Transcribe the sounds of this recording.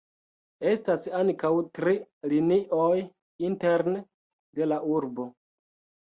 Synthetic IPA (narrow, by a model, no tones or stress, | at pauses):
e̞stasaŋkawtɾiliniʔoj | inteɾn | de̞laʔuɾbo̞